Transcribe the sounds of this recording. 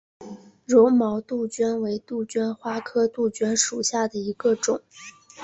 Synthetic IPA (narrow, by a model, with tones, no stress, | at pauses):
ɻo˧˥ʊmɑ˧˥ʊt̪u˥˩t͡ɕɥɛ˥nwe˧˥ɪt̪u˥˩t͡ɕɥɛ˥nxwa˥kʰɤ˥t̪u˥˩t͡ɕɥɛ˥nʂu˨˩ɕja˥˩d̪ə˩i˧˥ɡə˧ʈ͡ʂʊ˨˩˦ŋ